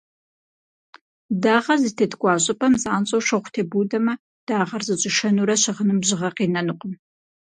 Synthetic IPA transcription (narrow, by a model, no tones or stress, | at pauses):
daːʁɐzɨtʰeːtʰkʷʼɑːɕʼɪpʼɐmzaːnɕʼowʃʷɐχʷtʰeːbuːdɐmɐ | d̥aːʁɐrzɨɕʼɪʃɐnuːɾɐɕɐʁənɨmʑɪʁɐqiːnɐnuqʷʼʊn